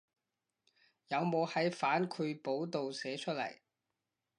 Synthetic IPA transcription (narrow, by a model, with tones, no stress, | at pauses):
jɐ˨˧wmo˨˧whɐ˨˥jfaː˨˥nkʰɵ˨˧po˨˥wt̪o˨wsɛː˨˥t͡ʃʰɵ˥t̚lɐ̰˨˩j